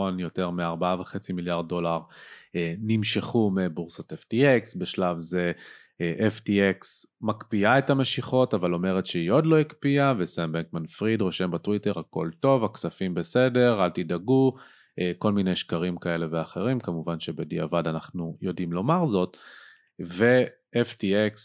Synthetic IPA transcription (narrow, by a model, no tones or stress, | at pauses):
onjo̞te̞ʁmeaʁbaaveχe̞t͡similjaʁd̚ːo̞laʁenimʃeχumebuʁsot̪eftieksbeʃlavze | ʔeftieksmakpiaethame̞ʃiχo̞tavalo̞me̞ʁet̪ʃeio̞dlo̞ikpiavesanbeŋkmanfʁidʁo̞ʃe̞mbatwite̞ʁhako̞lto̞vaksafimbe̞se̞de̞ʁalt̪idaɡu | eko̞lminejʃkaʁimkae̞le̞veaχe̞ʁimkamuvanʃebediavadanaχnujo̞dimlo̞maʁzo̞t | ve̞ | ʔeftieks